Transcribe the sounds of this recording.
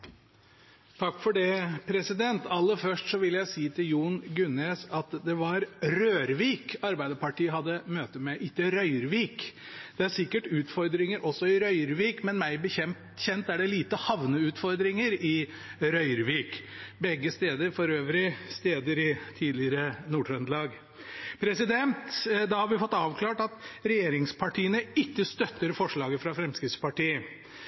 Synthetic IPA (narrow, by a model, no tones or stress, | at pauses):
t̪ʰɑkːfɔɖɛpʰɾɛsɪd̪ɛnt̪ɑlːəfœʂʈsɔʋɪljæɪsiːt̪ʰɪljuːnɡʉneːsɑt̪d̪ɛʋɑɾɾøːɾʋiːkɑɾbæɪd̪əpɑʈiːəɦɑd̪ːəmøːt̪əmɛʔɪt̪ːəɾœʏəɾʋiːkd̪ɛæɾsɪkːəʈʉːt̪fɔɾd̪ɾɪŋəɾʔɔsːɔɪɾœʏəɾʋiːkmɛnmæɪbəçɛm | çɛnt̪æɖɛliːt̪əhɑʋnəʉːt̪fɔɾd̪ɾɪŋəɾɪ | ɾœʏəɾʋiːkbɛɡːəst̪eːd̪əɾfɔɾøːʋɾɪst̪eːd̪əɾɪt̪ʰiːd̪lɪəɾənuːʈʰɾœnd̪lɑːɡ | pʰɾɛsɪd̪ɛnt̪d̪ɑhɑɾʋɪfɔt̪ːɑːʋkʰlɑːʈɑt̪ɾɛjeːɾɪŋspʰɑʈʰiːənəɪkːəst̪œt̪ːəɾfɔʂɭɑːɡəfɾɑfɾɛmskɾɪft̪spɑʈiːə